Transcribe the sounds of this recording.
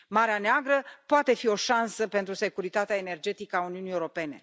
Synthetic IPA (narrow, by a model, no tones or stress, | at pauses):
maɾeaneaɡɾəpoat̪e̞fio̞ʃansəpe̞nt̪ɾuse̞kuɾit̪at̪eaene̞rd͡ʒe̞t̪ikəauniunijewuɾo̞pe̞ne̞̰